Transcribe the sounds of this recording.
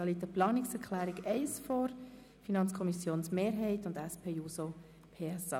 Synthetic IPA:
ɑlitəplɑːnɪksɛɾkʰlæːɾiɡɛɪsfɔɾ | finɑnt͡skʰɔmisjoːnsmeːɾɦɛɪtʊndɛspʰeːuːso | pʰeːɛsɑ

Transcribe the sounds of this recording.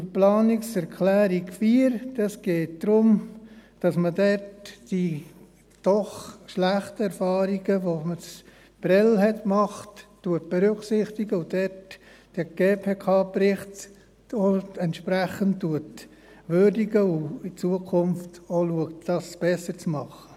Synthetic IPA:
plɑːniksɛɾkʰlæːɾikfiːɾd̥ɑsɡ̥eːt̚d̥ɾʊmd̥ɑsmədɛtd̥i | d̥ɔχʃlæχtəɛɾfɑːɾiɡəʋoməs | b̥ɾɛlɦɛtmɑχtː | uət̚b̥ɛɾʏksɪχtiɡəʊd̥ɛt | d̥ɛɡ̥eːpʰeːkʰɑːpɾɪχt | oɛntʃpɾæχənttːuət | ʋøɾdiɡəʊit͡suəkʰʊmftoluəktd̥ɑsb̥ɛsəɾt͡smɑχə

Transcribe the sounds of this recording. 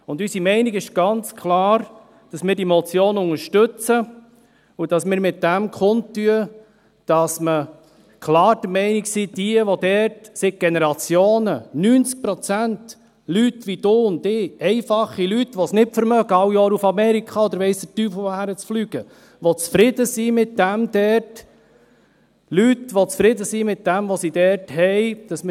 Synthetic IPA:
ʊndysimɛɪniɡɪʃɡ̥ɑnt͡skʰlɑːɾ | d̥ɑsmɪːɾdimɔt͡sjoːnʊŋəɾʃtɵt͡sə | ud̥ɑsmɪːɾmɪt̚d̥æmkχʊntːyə | d̥ɑsmə | kʰlɑːɾd̥əmɛɪniksid̥iəʋɔd̪ɛɾtsɪɡ̚ɡ̥enɛɾɑt͡sjoːnənyːnt͡sk̚pɾɔt͡sænt | lytʋid̥̪oːʊnt̪ɪːɛɪfɑχːilytʋɔsnɪpfəɾmœɡ̥əɑwjɔːɾufɑmɛɾikχɑɔd̪əɾʋɛɪsd̪̥ətyːpfɔhæɾət͡sflyɡ̥ə | ʋɔt͡sfɾɪdəsimɪt̚d̥æmd̥̪ɛɾt | lytʋɔt͡sfɾɪd̪əsimɪt̚d̥æmʋɔsid̥ɛɾthɛɪd̥ɑsm

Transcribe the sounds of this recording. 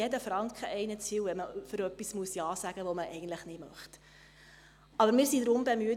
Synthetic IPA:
ɛdəfɾɑŋkχəʔɛɪnət͡siwʋɛməfɵɾœpːismuəsjɑːsæɡ̥əʋoməʔɛɪɡən̩t̪ləχnɪdmœχt | ɑbəɾmɪːɾsidɾʊmbemyə

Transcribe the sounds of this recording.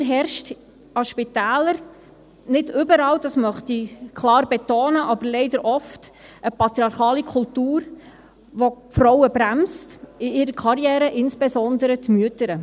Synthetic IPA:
ɦɛɾʃt | ɑʃpɪtæːləɾ | nɪdʏbəɾɑːwd̥ɑsmœχtikʰlɑːrbɛtoːnəʔɑbəɾlɛɪdəɾʔɔftʔəpɑt̪ɾiɑɾχɑːlikʰʊltuːɾ | ʋofɾɔwəbɾæmstɪɪɾəkʰɑɾjɛːɾəʔɪnsb̥ɛzɔnd̪əɾətmyətəɾə

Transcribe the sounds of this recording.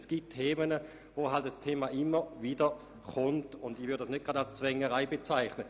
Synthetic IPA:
sɡ̥itʰːeːmənə | voɦaltastʰeːmaʔɪməviːdə | χʊntʊndivʏʁddasnøt̚ɡ̥ʁɑdalst͡svɛŋəʁaɪbet͡saɪχnə

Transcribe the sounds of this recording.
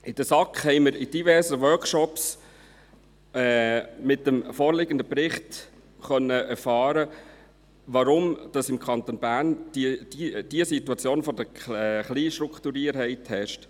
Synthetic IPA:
ʔɪd̥əsɑkχhɛɪməɾɪd̥ivɛɾsəwœkʃɔps | ɛːmɪtəmfoːɾlɪɡənd̪əpɾɪχt̪ | χœnːəʔɛɾfɑːɾə | ʋɑɾʊmd̥ɑsɪmkʰɑnt̪onbæːɾnd̥id̥id̥iəsit̪uɑt͡sjoːnfɔd̪əɛχliːʃtɾukχt̪uɾiəɾɦɛɪthɛʃt

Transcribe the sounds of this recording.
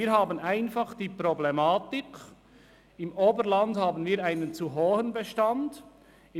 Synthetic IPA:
iːɾɦaːbənaɪnfɑχd̥iːpɾoblemaːtɪk | ɪmoːbəɾlandhaːbənviːɾaɪnənt͡suɦoːhənbɛʃtand | ɪ

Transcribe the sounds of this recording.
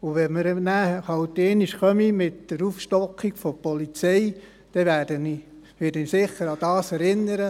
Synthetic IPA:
ʊʋɛməɾnæhhɑwtːeːniʃχœmimɪtd̥əɾufʃtɔkʰːiɡ̥fɔpɔlit͡sɛj | d̥ɛʋæːd̥əni | ʋɪɾd̥ənisɪχːəɾɑd̥ɑːsɛɾɪnːəɾə

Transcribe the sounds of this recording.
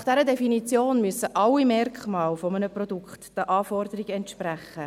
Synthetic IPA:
χd̥ɛɾədɛfinit͡sjoːnmyəsəʔɑlːimɛrkχmɑːlfɔmənəprɔdukχtd̥əʔɑːfɔrdəɾiɡɛntʃpræχːə

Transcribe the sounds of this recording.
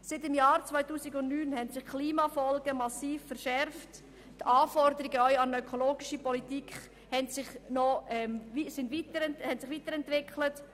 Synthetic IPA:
sɪtɪmjaːɾt͡svaɪtuːsɪɡʊntnyːnhɛntsɪχkʰliːmɑfɔlɡəmɑsiːfːɛɾʃɛɾft | tɑːfɔɾd̪əɾiɡəœʏɑnœkʰoloːɡɪʃəpɔlitiːkχ | hɛntsɪχnɔɛmisɪntʋiːtəɾɛnthɛntsɪχʋiːtəɾɛntʋɪkʰlət

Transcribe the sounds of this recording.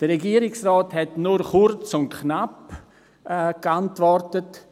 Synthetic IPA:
d̥əɾɛɡiːəɾɪksrɔːthɛtnuɾχʊɾt͡sʊntkʰnapː | kantvɔrtət

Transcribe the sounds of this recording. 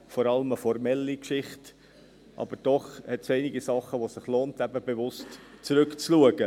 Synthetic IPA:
fɔɾɑləməfɔɾmɛlːikʃɪχt | ʔɑ̰b̥əɾd̥ɔχhɛtsɛɪniɡisɑχəʋosɪχloːntæbəbeʋʊstt͡sɾɵkt͡sluəɡ̥ə

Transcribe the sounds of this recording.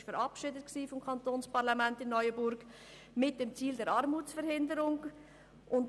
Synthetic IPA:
ʃfəɾɑpʃɪdət̚ksiːfɔmkʰɑntoːnspɑʁlɑmæntɪnːɔʏəbʊɾɡ | mɪt̚d̥ɛmt͡siːldɛɾɑɾmuːtt͡sfɛɾhɪndəɾʊŋ | ʔʊnt

